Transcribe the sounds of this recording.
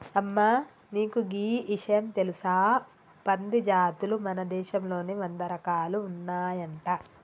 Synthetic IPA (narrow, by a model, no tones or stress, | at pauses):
ɐmːaː | niːkuɡiːiʂɐjɐmt̪elisaː | pɐnd̪id͡ʒaːt̪ulumɐnɐd̪ɛːʃɐmlo̞ːniʋɐnd̪ɐɾɐkaːluːnːaːjɐɳʈa